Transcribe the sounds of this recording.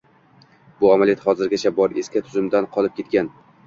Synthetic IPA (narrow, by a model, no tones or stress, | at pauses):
bʊamaljɒt̪hɒzɪɾɡʲat͡ʃʰabɒɾe̞skʲat̪ʰʊzʊmd̪anqʰɒlˠɪp̚kʲet̪kʲan